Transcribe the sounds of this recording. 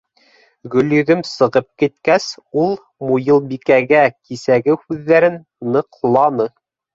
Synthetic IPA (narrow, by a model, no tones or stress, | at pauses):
ɡɵ̆ljɵ̆ðɵmsɤ̆ʁɤp̚kit̪kæsulˠ | mujɤlˠbikæɡækisæɡɘhʉðːæɾɘnːɤ̆qlˠɑnɤ